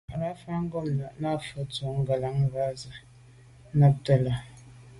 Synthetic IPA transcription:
a˨ɾa˦fa˦ŋ̩˦ɡɔ˦˨mna˨ʔna˦˨fə˦t͡sɔ˨˦ŋ̩˦ɡa˨la˨˦ŋ˦ɣa˦zə˨˦ | na˦p̚tə˨la˨

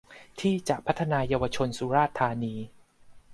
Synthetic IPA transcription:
t̪ʰiː˥˩t͡ɕa˨˩ʔpʰa˦˥t̪ʰːa˧naː˧jaː˧wa˧t͡ɕʰo˧nsu˩˦ɾaː˥˩t̪ʰːaː˧niː˧

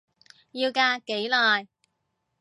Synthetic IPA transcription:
jiː˧wkaː˧ke˨˥jlɔː˨˩j

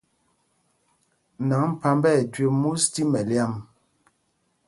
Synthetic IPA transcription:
na˨˦ŋ˦˨pa˦mbɛ˦˨tɥe˨mu˦sti˦mɛ˨lja˦˨m

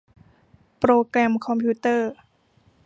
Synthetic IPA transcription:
pɾoː˧kɾɛ˧mkʰɔ˧mpʰuː˧˩t̪ɤː˥˩

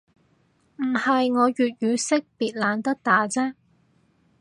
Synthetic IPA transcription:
m̩˨˩hɐ˨jŋɔː˨˧jyː˨t̚jyː˨˧sɪ˥k̚piː˨t̚laː˨˧nt̪ɐ˥k̚t̪aː˨˥t͡sɛː˥

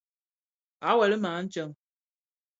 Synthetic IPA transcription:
a˨˦wɛ˨lə˦maː˨˦n̩˦t͡ʃə˦ŋ

